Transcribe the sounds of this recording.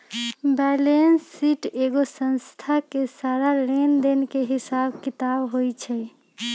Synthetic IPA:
bɛlensːiʈeɡosə̃nst̪ʰakesaɾaɾend̪enkeɦisabkit̪abɦojt͡ʃʰɛ

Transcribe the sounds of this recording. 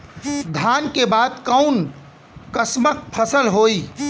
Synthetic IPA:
d̪ʱjaːnkebaːd̪kəʊn | kəsmək̚pʰəsəlɦoːi

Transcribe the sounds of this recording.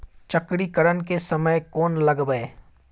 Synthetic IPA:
t͡ʃɐkɽikəɾənkesɐməjkɔːnlɐɡbəe

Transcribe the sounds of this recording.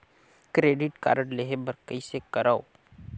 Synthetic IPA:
kɾeːɖɪʈka̰ːɾəɽleɦebəɾkəisekəɾao

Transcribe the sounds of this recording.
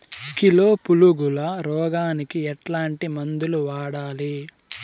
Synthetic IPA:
kilo̞ːpuluɡulɐɾɔːɡaːnikiɛʈlaːɳʈimɐnd̪uluʋaːɽaːli

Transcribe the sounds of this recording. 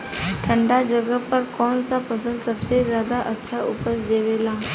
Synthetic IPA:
ʈʰə̃ɳɖad͡ʒəɡəpəɾkɔːnsapʰəsəlsəbsezjaːd̪aʔətːʃʰaʔʊpəsd̪eːʋeːlaː

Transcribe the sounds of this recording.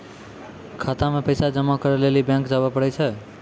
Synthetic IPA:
kʰat̪amepəjsad͡ʒəmːakəɾəlelibjãŋkd͡ʒabəpəɽɛt͡ʃʰɛ

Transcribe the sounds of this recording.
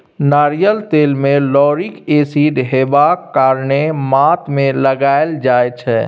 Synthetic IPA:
naɾijəlt̪elmẽlɔːɾikesiɖɦebakːaɾnemat̪mẽləɡaeld͡ʒaet͡ʃʰɛ

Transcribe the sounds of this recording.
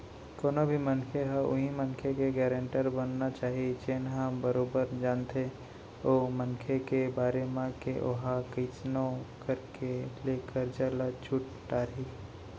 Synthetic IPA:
koːnobʱimənkʰeɦɛʊ̰ɦimənkʰekeɡɛːɾə̃ɳʈəɾbənːat͡ʃaːɦiet͡ʃeːnɦaːmbəɾoːbəɾd͡ʒaːnt̪ʰe | oːmənkʰekebaːɾemãkeʔoɦakiːt͡ʃnõkəɾkeleːkəɾd͡ʒaːlat͡ʃʰuʈ | ʈaːɾɦi

